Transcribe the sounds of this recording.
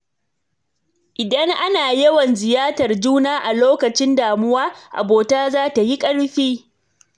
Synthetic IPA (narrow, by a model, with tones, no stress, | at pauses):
ʔɪ˨dɐ˦ŋʔa˦naː˨jɐ˦wɐ˨nzɪ˨jaː˦tɐ˨rd͡ʒuː˦naː˦ʔa˨loː˦kɐ˨t͡ʃɪ˦ndaː˨mʊ˦waː˦ʔa̰˨boː˨taː˦zaː˦ta˨ji˦kʼɐ˦ɽɸiː˦